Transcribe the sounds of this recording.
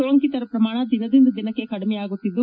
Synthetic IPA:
oːŋkit̪ɐɾɐpɾɐmaːɳ̃ɐd̪inɐd̪ind̪ɐd̪inɐkːe̞kɐɽmɛjaːɡut̪ːid̪ːu

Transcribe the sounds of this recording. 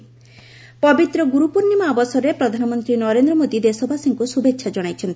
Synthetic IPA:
pɔbit̪ɾɔɡuɾupuɾnimabɔsɔɾepɾɔd̪ʱanɔmɔnt̪ɾinɔɾend̪ɾɔmod̪id̪esɔbʱasiŋkusubʱetːʃʰad͡ʒɔɽ̃ajt͡ʃʰent̪

